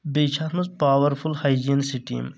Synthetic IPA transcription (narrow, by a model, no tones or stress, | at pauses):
beːt͡ʃʰaːɾmuzpaʋəɾfulhajd͡ʒinsiʈḭm